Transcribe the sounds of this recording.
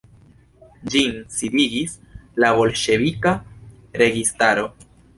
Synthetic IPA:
d͡ʒinsidiɡis | laβo̞lʃe̞vika | ɾe̞ɡistaɾo̞

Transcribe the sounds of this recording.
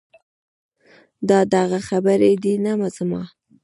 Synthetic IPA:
d̪ɑd̪aɣaxabəɾed̪inamazəmɑ̰

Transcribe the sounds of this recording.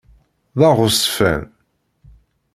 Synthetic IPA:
ðɑʁʊsfæ̰n

